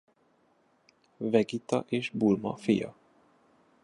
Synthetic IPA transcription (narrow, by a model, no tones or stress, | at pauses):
vɛɡit̪ɒʔeːʒbulmɒ̰fijɒ̰